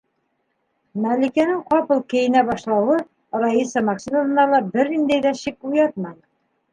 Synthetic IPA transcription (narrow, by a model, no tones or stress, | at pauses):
mælikænɘŋqɒpɤlˠkɘ̆jɘ̆næbɒʃlˠɑwɤ | ɾɑisɤmɑkʃinəɤ̆nɑlˠɑbɘɾnind̪æjd̪æɕik̚ujɑt̪̚mɑn